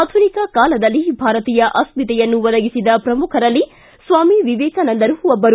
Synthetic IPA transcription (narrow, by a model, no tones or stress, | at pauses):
d̪ʱʰunikɐkaːlɐd̪ɐlːibʱaːɾɐt̪iːjɐʔɐsmit̪ɛjɐnːuʋɐd̪ɐɡisid̪ɐpɾɐmukʰɐɾɐlːi | sʋaːmiʋiʋɛːkɐnɐnd̪ɐɾuʋɐbːɐɾu